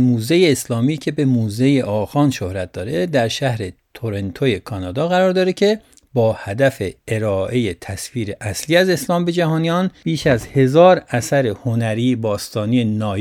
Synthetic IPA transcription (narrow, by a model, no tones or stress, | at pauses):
muːzejeːslɒːmiːcʰe̞be̞muːzejeʔɒːxɒːnʃo̞hɾæt̪̚d̪̥ɒːɾe̞d̪æɾʃæhɾe̞t̪ʰoɾe̞nt̪ʰoje̞kʰɒːnɒːd̪ɒːɣæɾɒːɾd̪ɒːɾecʰe̞ | bɒːhæd̪æfeeɾɒːʔe̞jet̪ʰæsfiːɾe̞ʔæsliːæze̞slɒːmbe̞d͡ʒæhɒːnijɒːnb̥iːʃæzhe̞zɒːɾæsæɾehonæɾiːbɒːst̪ɒːniːenɒː